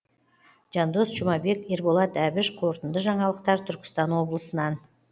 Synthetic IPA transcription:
ʒ̥ɑnd̪osʒʊmɑbe̞kʲe̞ɾbolˠɑt̪æbɪʃqʰoɾt̪ənd̪əʒɑɴɑlˠəqt̪ɑɾt̪ʰʏɾkʲɪ̥st̪ɑnwo̞blˠəsənɑn

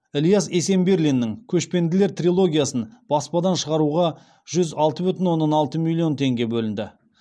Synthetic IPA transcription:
ɪlʲˠijase̞se̞mbeɾlʲinːɪŋkʲʰɵʃpe̞nd̪ɪle̞ɾt̪rʲilˠo̞ɡʲijasənb̥ɑspɑd̪ɑnʃəʁɑɾuʁɑ | ʒ̥ʏzɑlˠt̪əbʏt̪ɪnwo̞nːɑnɑlˠt̪əmilʲˠːio̞nt̪ʰe̞ŋɡʲe̞bɵlɪnd̪ɪ

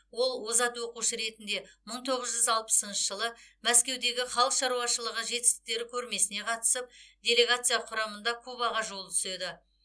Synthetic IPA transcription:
wo̞lˠwo̞zɑt̪wo̞quʃəɾe̞t̪ɪnd̪e̞məɴt̪ʰo̞ʁəzʒʏzɑlˠpə̥sənʃəʒəlˠəmæskʲe̞wd̪e̞ɡʲɪχɑlˠəqʃɑɾuɑʃəlˠəʁəʒe̞t̪ɪ̥st̪ɪ̥k̚t̪e̞ɾɪkʲʰɵɾme̞sɪne̞qʰɑt̪ə̥səp̚d̪ʲe̞lʲe̞ɡat̪sɨjɑqʰʊɾɑmənd̪ɑkʰubɑʁɑʒo̞lˠt̪ʰʏ̥se̞d̪ɪ

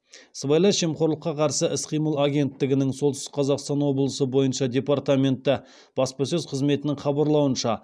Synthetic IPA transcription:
svɑjlˠɑʃe̞mqo̞ɾlˠəqːɑqʰɑɾsəʔɪsqʰijməlˠaɡʲe̞nt̪ːɪɡʲɪnɪŋso̞lˠt̪st̪ɪ̥qʰɑzɑqst̪ɑnwo̞blˠəsəbo̞jənʃɑd̪ʲe̞part̪amʲe̞nt̪ːɪ | b̥ɑspɑsɵzqʰəzme̞t̪ɪnɪŋχɑbɑɾlˠɑwənʃɑ

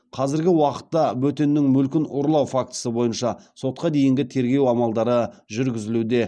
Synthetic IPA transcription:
qʰɑzɪɾɡʲɪwɑqə̥t̪ːɑbɵt̪e̞nːɪŋmʏlkʲɪnoɾlˠɑwfak̚t̪ə̥səbo̞jənʃɑso̞t̪̚qɑd̪e̞jɪŋɡʲɪt̪ʰe̞ɾɡʲe̞wɑmɑlˠd̪ɑɾəʒʏɾɡʲɪzɪlud̪e̞

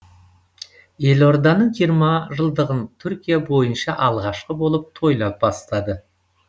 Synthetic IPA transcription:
e̞lo̞ɾd̪ɑnəɴʒijəɾmɑʒəlˠd̪əʁənt̪ʰʏɾkʲijabo̞jənʃɑʔɑlˠʁɑʃqəbolˠəp̚t̪ʰo̞jlˠɑp̚bɑst̪ɑd̪ə

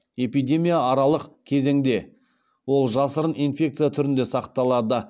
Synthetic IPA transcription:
e̞pijd̪ʲe̞mʲijaːɾɑlˠəqkʲʰe̞ze̞ŋd̪e̞ | wo̞lˠʒɑsəɾənijnfʲe̞kt̪sɨjat̪ʰʏɾɪnd̪e̞sɑqt̪ɑlˠɑd̪ə

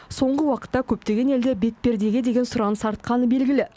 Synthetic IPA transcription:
so̞ɴʁəwɑqə̥t̪ːɑkʲʰɵp̚t̪e̞ɡʲe̞ne̞ld̪ebe̞t̪̚pe̞ɾd̪e̞ɡʲed̪e̞ɡʲe̞nsʊɾɑnəsɑɾt̪̚qɑnəbe̞lɡʲɪlɪ

